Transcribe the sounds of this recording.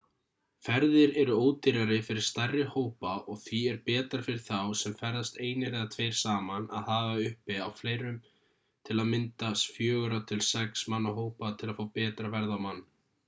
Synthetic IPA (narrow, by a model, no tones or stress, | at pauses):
fɛɾðɪɾɛɾʏoːwt̪iɾaɾɪfɪɾɪɾ̥st̪arːɪhoːwpaʔɔɣθviɛɾpɛːt̪aɾ̥fɪɾɪɾ̥θawsɛmfɛɾðast̪eːjnɪɾɛat̪ʰveːjɾ̥saːmana̰ðhaːvaʏhpɪawfleːjɾʏm | t̪ʰɪlaðmɪnt̪asfjœːɣʏɾat̪ʰɪlsɛksmanːaɦoːwpat̪ʰɪlaðfoːwpɛːt̪ɾavɛɾðawmanː